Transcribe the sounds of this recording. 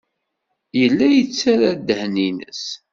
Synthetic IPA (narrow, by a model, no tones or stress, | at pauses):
jəlːæjət͡sːaɾad̪əhninə̰s